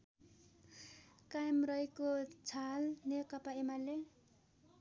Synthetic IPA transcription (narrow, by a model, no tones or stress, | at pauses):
kajmrʌekot͡sʰalnekʌpaemale